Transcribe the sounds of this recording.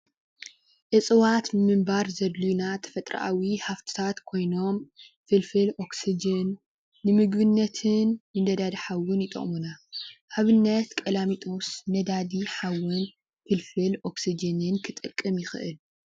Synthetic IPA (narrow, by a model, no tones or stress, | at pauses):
ʔɨsʼɨwat̪nɨmɨmbaɾzɐd̪lunat̪ʰɐ̥fɐt̪ʼɾa̰ʔawihaft̪ʰɨ̥t̪ʰat̪kʰo̞jno̞m | fɨlfɨlʔo̞ksid͡ʒɐnː | ɨmɨɡβɨnːɐt̪ʰɨnːɨnd̪ɐd̪ad̪iħawʊnjɪt̪ʼɐ̰χʼmunaʔaβɨnːɐt̪kʼɐlamit̪ʼosnɐd̪ad̪iħawɨn | fɨlfɨlʔo̞ksid͡ʒɐnɨnkʰɨt̪ʼɨkʼːɨmjɪxɨʔɨ̰l